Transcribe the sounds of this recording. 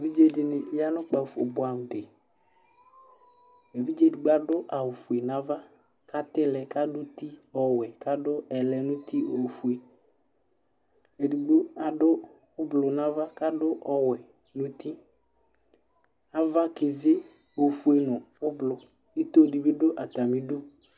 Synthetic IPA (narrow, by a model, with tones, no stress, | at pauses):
e˨vi˦d͡ʒe˦dɪ˨nɪ˨ja˦nʊ˦k͡pa˨fo˨bʊ˨a˨m˨de˨ | e˨vi˦d͡ʒe˦di˨ɡ͡ba˨dʊ˦ʔa˨wʊ˨fu˨e˨nã˦va˦ | ka˦t̪ɪ˦lɛ˨ka˦dʊ˦t̪i˦ɔ˨wɛ˨ka˦dʊ˦ɛ˨lɛ˨nʊ˦t̪i˦o˨fu˨e˨ | e˨di˨ɡ͡bo˦a˨dʊ˦ | ʊ˦blʊ˨nã˦va˦ka˦dʊ˦ʔɔ˨wɛ˨ | nʊ̃˦t̪i˦ | a˨va˦kɪ˨ze˦ | o˨fu˨e˨nʊ˨ | ʊ˦blʊ˨ | i˦t̪o˦˨di˨bɪ˦dʊ˦ʔa˨ta˨mi˦du˦